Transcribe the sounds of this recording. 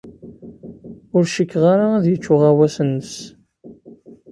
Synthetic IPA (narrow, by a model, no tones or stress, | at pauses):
ʊɾʃəkːʁaɾaæðjət͡ʃːʊʁæwæsənːəs